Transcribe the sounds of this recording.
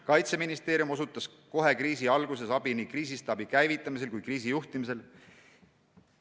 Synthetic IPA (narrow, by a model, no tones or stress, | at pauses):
kɑjt̪seminist̪eːɾjumo̞sut̪ːˑɑs | ko̞ɦe̞kriːsiɑlɡ̥use̞sɑbiniːkriːsist̪eɑbikæjvit̪ːˑɑmis̬e̞lkujkriːs̬ijuht̪imis̬e̞l